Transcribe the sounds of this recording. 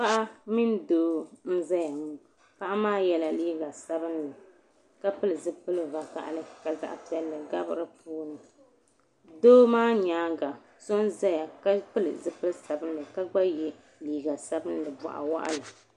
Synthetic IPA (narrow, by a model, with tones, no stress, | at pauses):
pa˦ʔa˦mi˦n˦doː˦n̩˦za˦ja˨mu˦ | pa˦ʔa˦maː˦jɛ˦la˨liː˦ɡa˨sa˦bɨ˦nlɨ˨ | ka˦pɨ˦lɨ˨zɨ˦pɨ˦lɨ˦va˨ka̰˨ʔa̰˨lɨ˦ka˨za̰˨ʔa̰˦pi˦ɛ˦lːɨ˨ɡa˦bɨ˦ɾɨ˦puː˦nɨ˨ | doː˦maː˦ɲaː˦ɡa˨ | so˦nza˦ja˨ka˦pɨ˦lɨ̰˨zɨ˦pɨ˦lsa˨bɨ˦n˦lɨ˨ka˦ɡ͡ba˦jɛ˨ | liː˨˦ɡa˨sa˦bɨ˦n˦lɨ˨ba̰˨ʔa̰˨wa̰˦ʔa̰˦lɨ˨